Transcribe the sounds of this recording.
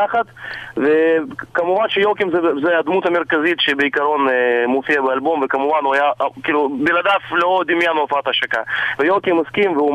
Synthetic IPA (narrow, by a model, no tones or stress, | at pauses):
aχat̪vekamuvanʃejokimzɛzɛjad̪mut̪ameɾkazit̪ʃebeikaɾo̞nmofijabealbomvekamuvanuajaʔkiːlubilad̪aflod̪imjanofat̪haʃaka̰vejokimaskimveu